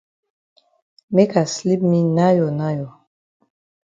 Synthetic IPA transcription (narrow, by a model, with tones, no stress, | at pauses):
me˦ka˨sli˦p̚mi˦na˦jɔ˨na˦jɔ˨